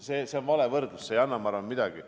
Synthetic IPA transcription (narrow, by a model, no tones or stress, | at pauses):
seseonvɑle̞vɤrd̪̥lusːejɑnːɑmɑrɑnmid̪̥ɑɡ̥i